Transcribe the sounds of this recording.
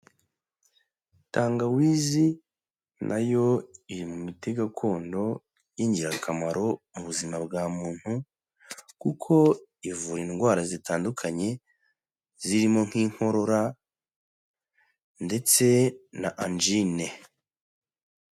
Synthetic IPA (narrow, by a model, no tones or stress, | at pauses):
taːŋɡawiːzi | nʔa̰jo̞iɾimumite̞ɡakʰo̞ːndo̞ | jiːɲɟiɾakʰamaɾo̞muβuzimabɡaːmuːn̥hu | kukʰo̞ivuɾiŋɡwaːɾazitaːndukʰaɲe̞ | ziɾimo̞ŋ̥hiːŋ̥ho̞ɾo̞ɾa | nde̞t͡se̞na̰ʔand͡ʒine̞